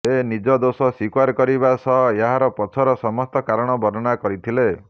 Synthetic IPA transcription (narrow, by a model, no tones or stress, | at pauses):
enid͡ʒɔd̪osɔsikwaɾkɔɾibasɔɦeɦaɾɔpɔt͡ʃʰɔɾɔsɔmɔst̪ɔkaɾɔɽ̃ɔbɔɾɔnakɔɾit̪ʰile